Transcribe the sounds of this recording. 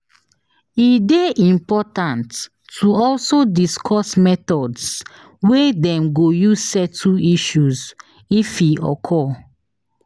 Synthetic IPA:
ideʔĩmpɔtãntː | uɔlsodiskʰɔsmɛtɔds | wedɛ̃mɡojuzsɛtʰuiʃuz | ifiɔ̰kʰɔ

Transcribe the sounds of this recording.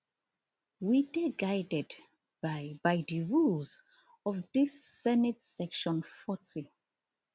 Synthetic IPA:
wideɡajdɛd | bbajdiɹulz | ɔvdisːɛnitsɛkʃɔ̃nfɔti

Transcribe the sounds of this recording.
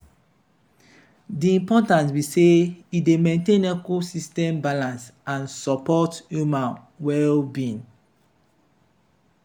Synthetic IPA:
diĩmpɔtãntwiseidemẽntẽnɛkosistɛ̃mbalãnsãnsɔpɔtjumãn | wɛlbĩn

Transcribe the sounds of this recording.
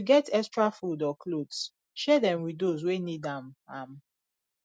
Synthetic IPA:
uɡɛtʰɛstɹafudɔkʰlods | ʃɛdɛ̃mwidozwenidãmãm

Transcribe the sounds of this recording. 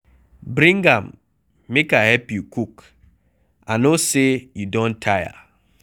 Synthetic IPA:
bɾĩŋɡamː | ekahɛpjukuk | anosejudõntʰaja̰

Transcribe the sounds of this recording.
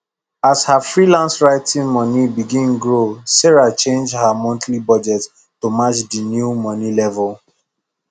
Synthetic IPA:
ashafɹilãnsɹaɪtĩnmɔnibiɡĩnɡɹosɛɹat͡ʃẽnd͡ʒhamɔ̃ntʰlibɔd͡ʒɛt | tomat͡ʃdinjumɔnilɛvɔl

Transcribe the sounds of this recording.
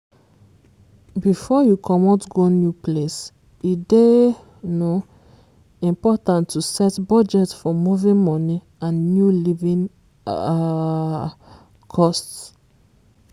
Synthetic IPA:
bifɔjukʰɔmɔtɡonjuples | ide | no | ĩmpɔtãntʰːusɛtbɔd͡ʒɛtfɔmuvĩŋmɔni | ãnnjulivĩŋ | kʰɔst

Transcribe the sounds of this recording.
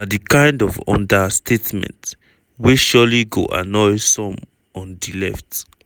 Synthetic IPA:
adikãj̃ndɔvɔ̰̃ndastʰetmɛ̰̃nt | weʃɔliɡo̰ʔa̰nɔjsɔ̃m | ɔ̃ndilɛft

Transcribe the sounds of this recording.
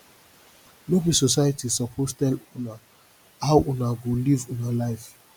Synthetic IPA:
lobəsosajatisɔpʰostɛlona | awʔõnaɡolivũnalaɪf

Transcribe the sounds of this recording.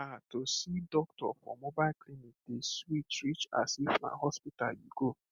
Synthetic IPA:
atosidɔktɔ̰fɾɔ̰mːobaklinik̚deswit͡ʃɾit͡ʃa̰sifna̰ɦɔspitaliɡo

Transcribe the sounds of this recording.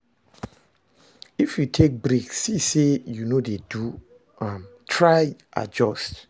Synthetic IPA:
ifjutʰek̚bɹiksisejunodedu | ãmtʰɹajʔa̰d͡ʒɔst

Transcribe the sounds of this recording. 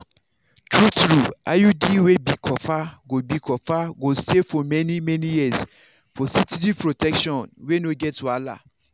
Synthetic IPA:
tʰɹutɾuʔa̰judiwebikʰɔfaɡobikʰɔfaɡostefɔmɛ̃nĩmɛ̃nĩjis | fɔsitidipʰɹotʰɛkʃɔ̃nwenoɡɛtala̰

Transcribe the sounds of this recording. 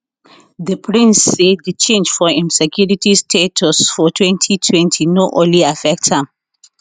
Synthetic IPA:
ðəpʰɹĩnsːeddət͡ʃẽnd͡ʒfɔĩnsɛkʰjuɹitistʰetʰɔsfɔtʰwɛ̃ntʰitʰwɛ̃ntʰinoʔõnliafɛk̚thãm

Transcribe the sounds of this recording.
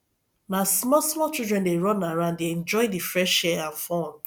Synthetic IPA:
nasmɔsmɔt͡ʃildɹɛ̃ndeɹɔ̃naɹãʊ̃ndeɛ̃nd͡ʒɔɪdifɹɛʃɛãnfɔ̃n

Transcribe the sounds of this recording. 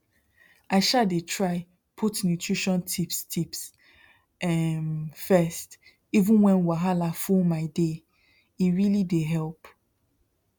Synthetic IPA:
aɪʃadetʰɹaɪ | pʰutnjutʰɹiʃɔ̃ntʰipstʰips | ɛmfɛst | ivũnwɛ̃nwaɦalafulmaɪde | iɹilideɦɛlp

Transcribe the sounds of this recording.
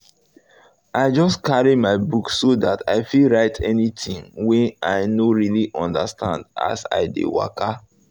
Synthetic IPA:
ʔaɪd͡ʒɔskaɹimaɪbuksodatʰaɪfilɹaɪtʰɛnitḭ̃ŋwɛ̃naɪnoɹiliʔɔ̃ndastʰã̰nda̰sa̰ɪdḛwa̰ka

